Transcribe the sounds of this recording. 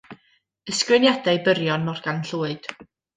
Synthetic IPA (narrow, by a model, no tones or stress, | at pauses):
əskrɪnjadajbəɾjɔnmɔrɡ̥anɬuːɨd̥